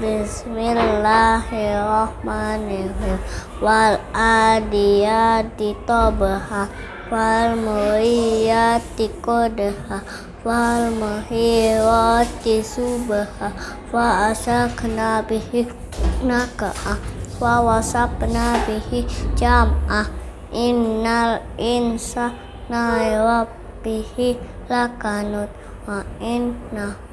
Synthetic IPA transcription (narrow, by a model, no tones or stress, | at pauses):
dismillahiɔhmanəɦə | waladijat̪it̪ɔbəha | walməijat̪ikodəha | walməɦiɔt̪isubəha | waasakʰənabihi | nakaʔawawasapənabihid͡ʒama | ʔinːalinsa | najwa | bihi | lakanut̪̚ | wãinːa